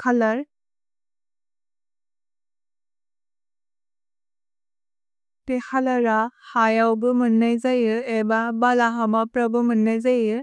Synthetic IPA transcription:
kʰalaɾ | tɛxalaɾahajawbɯmɯnːajzajɯɛbabalaɦamapɾabɯmɯnːajzajɯ

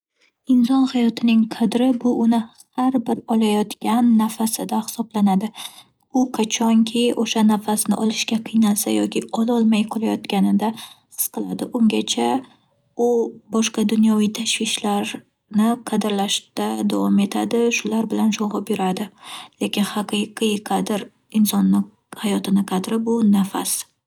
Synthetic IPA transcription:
ɪnsɒnhajɒt̪ʰɪnɪŋqʰɑd̪ɾɪbʊʔʊnɪhaɾbɪɾɒlˠajɒt̪kʲanːafasɪd̪ahɪ̥sɒblanad̪ɪ | ʊqʰat͡ʃʰɒŋkʲʰɪoʃanafasnɪʔɒlˠɪʃkʲaqʰɨjnasa̰jɒkʲɪɒlˠɒlˠmajqʰɒlˠajɒt̪kʲanɪd̪asɨ̥sqɨlˠad̪ɪʔʊŋɡʲat͡ʃʰa | ʊbɒʃqɑd̪ʊnjɒvijt̪ʰaʃwɪʃlaɾ | nɪqʰɑd̪ɪɾlaʃt̪ad̪avɒme̞t̪ʰad̪ɪʃʊlaɾbɪlanʃɒʁɑpbɪɾad̪ɪle̞kʲɪnhɑqɨqɨqʰɑd̪ɪɾ | ɪnsɒnːɪ | hajɒt̪ʰɪnɪqʰɑd̪ɾɪbʊnafa̰s

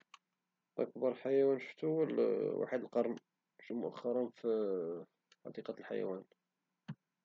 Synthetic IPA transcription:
ʔə̰kbɑɾˤħajæwænʃə̥ft̪uwlwa̰ħəd̪əlqɑɾˤn | ʃmʊʔæ̰xːɑɾˤɑnf | ħɑ̰d̪iqɑt̪lħa̰jæ̰wæn

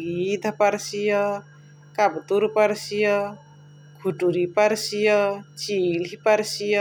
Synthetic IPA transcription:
ɡid̪ʱəpaɾsijə | kabt̪uɾpaɾsijɔ | ɡʱuʈuɾipaɾsijɔt͡ʃilɦipaɾsij

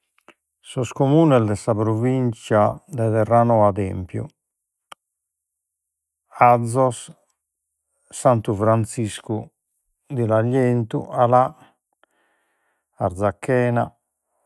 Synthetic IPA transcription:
sɔskomuːnɛsd̪ɛsapɾovint͡ʃad̪ɛðɛrːanɔad̪ɛ̰mpjṵ | ad̪zːɔs | sant̪ufɾant̪sisku | d̪ilaʎːent̪ṵala | ɾd̪zakʰːɛːna̰

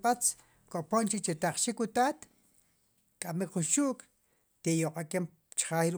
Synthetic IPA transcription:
at͡s | kʼopont͡ʃit͡ʃet̪aχʃikwut̪aːt̪ | kʼamikχunʃuʔkʼ | t̪ejoqʼakem | t͡ʃχaiɾ

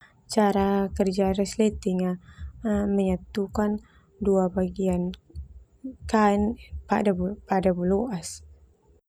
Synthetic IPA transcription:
t͡ʃaɾakərd͡ʒaɾɛslet̪iŋa | məɲat̪ukan | duabaɡian | kainpadapadabuloʔas

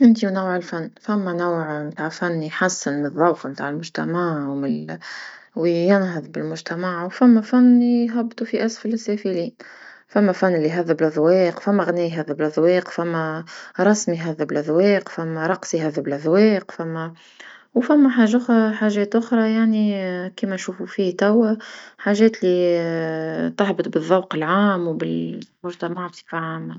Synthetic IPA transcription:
ʔɪnt̪iwnawːʕɪlfanːfæmːænawʕmt̪aːʕfanːjħasːɪnɨðˤːɑwqmt̪aːʕɪlmʊʒt̪æ̰maʕwmɪ | wjɪnɦəðbɪlmʊʒt̪æmaʕwfamːæfanːjɦɑbːt̪ˤufiʔasfɪlɪsːæːfiliː | fæmːæfanːɪlːiɦaðːɪblʔðˤwɛːqfæmːæɣnɛːjɦaðːablðːˤwɛːqwfæmːæɾˤɑsmiɦaðːæbɪlʔæðwɛːqfæmːæɾˤɑqsiɦaðːæbɪlʔæðˤwɛːqfæmːæ | wfæmːæħaːʒaʔʊxɾˤɑħaːʒɛːt̪ʔʊxɾˤɑjaʕnikiːmænʃuːfufiːt̪æwːæħaːʒɛːt̪li | t̪ʊħbət̪ˤbɨðˤːɑwqɪlʕaːmwbɪlmʊʒt̪æmaʕbt̪i̥faʕama

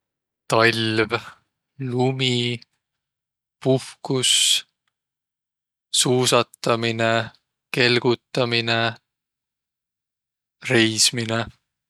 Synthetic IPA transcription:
t̪ɑlʲv | lumi | puhkus | suːsɑt̪ˑːɑmine | ke̞lɡ̥ut̪ˑːɑmine | re̞jsmine

